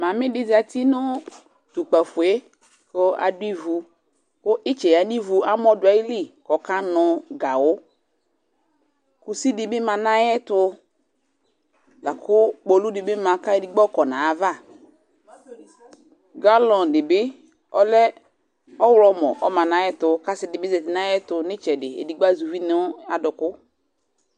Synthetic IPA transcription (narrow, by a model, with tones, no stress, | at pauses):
mã˨mɪ̃˦dɪ˦za˨ti˦nʊ˦ | t̪u˨k͡pa˨fʊ˨e˦ | ko˦a̰˨dʊ˦i˦vu˨ | kʊ˦ʔɪ˦t͡ʃɛ˨ja˨ni˦vu˨a˦mɔ˦dʊ˨a˨˦i˦li˦kɔ˨ka˦nʊ̃˨ɡa˨wʊ˦ | ku˨si˦dɪ˦bɪ˦mã˨nã˦jɛ˦tʊ˧ | la˨kʰʊ˦k͡pɔ˨lu˦dɪ˨bɪ˦mã˨ka˦e˨di˨ɡ͡bɔ˦kɔ˨nã˨a˨va˦˨ | ɡa˦lɔ̃˨n˨dɪ˨bɪ˦ | ɔ˦lɛ˦ | ɔ˦wlɔ˦mɔ̰˨ʔɔ˦mã˨nã˨jɛ˦tʊ˨ka˦sɪ˨dɪ˨bɪ˦zɛ˨tɪ˨na˦jɛ˦tʊ˧nɪ˦t͡ʃɛ˨dɪ˨ḛ˨di˨ɡ͡ba˦˨zu˨vi˦nɪ˦a˨dʊ˨kʊ˦